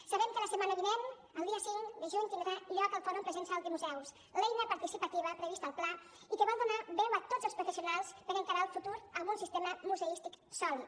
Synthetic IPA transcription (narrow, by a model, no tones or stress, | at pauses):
saβɛmkələsəmanəβinen | əlˠd̪iəsiŋd̪əʒuɲt̪inɾaʎɔkəlˠfɔɾumpɾəzensawˠt̪imuzɛws | lejnəpaɾt̪isipət̪iβəpɾəβist̪əlˠpla | ikəβɔlˠd̪unaβɛwət̪ozəlˠspɾufesiunalˠspəɾəŋkaɾaəlˠfut̪uɾəlˠɣunsist̪eməmuzəist̪ik | sɔli